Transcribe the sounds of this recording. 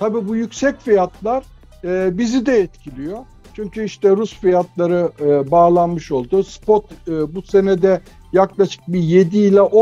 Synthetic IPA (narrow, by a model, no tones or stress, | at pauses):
t̪ʰabiːbujycsɛcfijat̪ʰlˠaɾː | bizid̪ɛɛt̪cʰilʲijo̞ | t͡ʃʰyɲcʰyiʃt̪ɛɾusfijat̪ʰlˠaɾɯbaːlˠanmɯʃo̞lˠd̪ʊspot̪ːbusenɛd̪ɛ | jaklˠaʃɯ̥k̚bije̞d̪iːlʲɛʔo